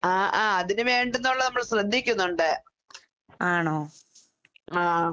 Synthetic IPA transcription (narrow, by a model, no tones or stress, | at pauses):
aːʔaːɐðinuʋe̞ːɳɖunːoɭːɐnɐmːɐɭɕrɐd̪ʱːikʲːunːuɳɖɨ | aːɳoː | aː